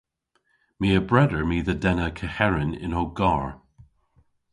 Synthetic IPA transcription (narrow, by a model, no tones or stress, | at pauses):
miːəbɹɛdəɹmiːðədɛnəkʰəhɛɹɪnɪ̰noɡaɹ